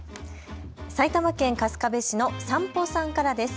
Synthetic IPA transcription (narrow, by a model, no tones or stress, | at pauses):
sait̪amakẽŋkasɨ̥kabe̞ɕino̞sãmposãŋkaɾad̪e̞sɨ̥